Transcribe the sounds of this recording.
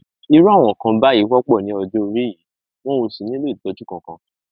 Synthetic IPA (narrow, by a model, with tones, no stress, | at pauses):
i˧ɾu˦a˦˨w̃ɔ̃˨kã˧ba˦ji˨˦wɔ˦k͡pɔ˦˨nĩ˨˦ɔ˧dõ˦o˧ɾi˦ji˨˦ | w̃ɔ̃˦o˧si˨nĩ˦lo˦˨dɔ˨˦d͡ʒu˦kã˨kã˧